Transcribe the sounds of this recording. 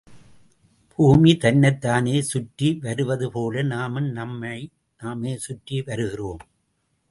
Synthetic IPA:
buːmit̪ɐnːɐɪt̪ːaːneːsʊʈriʋɐɾɯʋɐðɯpoːlɐnaːmɯnɐmːɐ | naːmeːsʊʈriʋɐɾɯɣɪroːm

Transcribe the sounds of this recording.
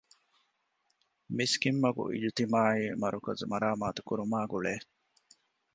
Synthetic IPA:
miskimːɐɡṵʔḭd͡ʒut̪imaːiːmɐɾukɐzmɐɾaːmaːt̪u̥kuɾumaːɡuɭeː

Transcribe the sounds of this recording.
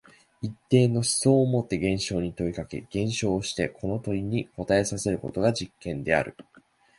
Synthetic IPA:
it̪ːe̞ːnːo̞ɕi̥so̞ːmo̞t̪ːe̞ɡẽ̞ɰ̃ɕo̞ːɲ̟it̪o̞ikake̞̰ɡ̥ẽ̞ɰ̃ɕo̞ːɕi̥t̪e̞kʰo̞no̞t̪o̞ɾʲiɲ̟iko̞t̪ae̞sase̞ɾɯ̟ko̞̰t̪o̞ɡad͡ʑikːẽ̞nd̪e̞a̰ɾɯ̟̰

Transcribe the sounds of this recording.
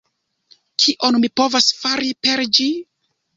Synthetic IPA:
kʰiʔo̞nmipo̞vasfaɾipe̞ɾd͡ʒi

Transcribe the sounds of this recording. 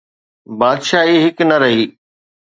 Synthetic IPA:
baːd̪ʃaːɦiɦɪknɐɾɐɦiː

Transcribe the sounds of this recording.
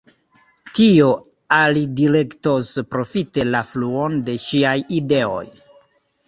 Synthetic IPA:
tio | alidile̞kto̞spɾo̞fite̞lafluo̞nde̞ʃiajide̞o̞̰j

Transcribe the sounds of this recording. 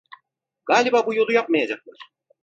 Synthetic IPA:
ɡ̥aːlʲibabujolˠujap̚mɑjad͡ʒɑq̚lˠɑɾ̥

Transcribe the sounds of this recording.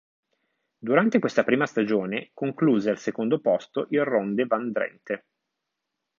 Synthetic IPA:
d̪uɾant̪ekwest̪apɾiːmast̪ad͡ʒoːnekoŋkluːzealsekond̪opɔst̪oʔilrond̪evand̪ɾɛ̰nt̪e

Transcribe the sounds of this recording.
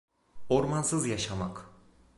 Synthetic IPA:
o̞ɾmansɯzjaʃama̰k

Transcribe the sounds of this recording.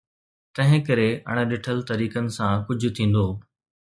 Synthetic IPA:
t̪ɐ̃ɦɪ̃kɐɾeɐ̰ɽ̃̆ɗɪʈʰəlt̪ɐɾiːkənɪ̆sãkʊd͡ʑʱʊ̆t̪ʰĩːn̆d̪oː

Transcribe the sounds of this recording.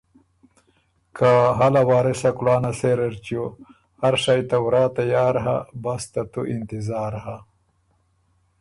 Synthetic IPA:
kʰaɦalawɑːɾisakulaːnaseɾɐɾt͡ɕjo | haɾʂajt̪awɾaːt̪ajaːɾɦa̰bast̪at̪uʔint̪ɪzaːɾha

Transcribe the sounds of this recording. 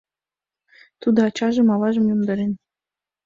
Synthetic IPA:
t̪ud̪ŏɑt͡ɕɑʒə̆mɑvɑʒə̆mjomd̪ɤɾen

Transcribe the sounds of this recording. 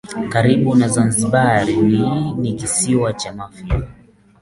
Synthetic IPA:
kaɾiɓunazanziɓaɾininikisiwat͡ʃamafia

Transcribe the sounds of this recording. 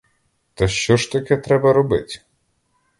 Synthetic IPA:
t̪ɐʃt͡ʃɔʃt̪ɐkɛt̪ɾɛbɐɾɔbɪtʲ

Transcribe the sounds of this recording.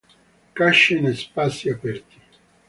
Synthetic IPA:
kaʃːinespasiapɛɾt̪i̥

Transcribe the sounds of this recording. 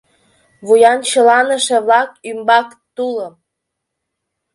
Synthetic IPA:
βujɑnt͡ɕə̆lɑnə̆ʃĕβlɑkymbɑk | t̪uləm

